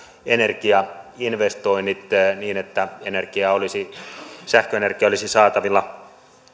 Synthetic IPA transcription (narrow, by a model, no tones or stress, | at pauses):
enerkiɑinʋest̪oinːit̪niːnet̪ːæenerkiɑolisisæhkøenerkiɑolisisɑːt̪ɑʋilːɑ